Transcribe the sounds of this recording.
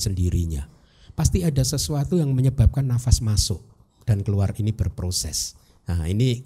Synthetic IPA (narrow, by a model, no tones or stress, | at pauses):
səndiɾḭɲa̰ | past̪iadasəsuat̪ujaŋməɲəbap̚kanːafasmasʊʔ | d̥ankəluarinib̥ərpɾosɛ̰s | aḭni